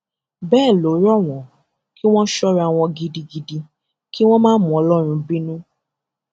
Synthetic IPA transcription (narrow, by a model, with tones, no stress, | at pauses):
bɛː˦˨lo˨˦ɾɔ˦˨w̃ɔ̃˨˦ | ki˦w̃ɔ̃˦ʃɔ˦ɾa˧w̃ɔ̃˧ɡi˧di˧ɡi˧di˧ | ki˦w̃ɔ̃˦mãː˦mũ˨˦ɔ˨˧˦lɔ˦˨ɾ̃ũ˧bĩ˦nũ˦